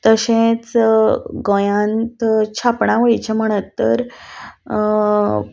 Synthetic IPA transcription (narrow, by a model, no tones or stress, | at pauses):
t̪əɕẽt͡s | ɡɔ̃jãnt̪t͡ɕʰapɳaʋojt͡ɕʰem̤əɽ̃ət̪ːə̰ɾ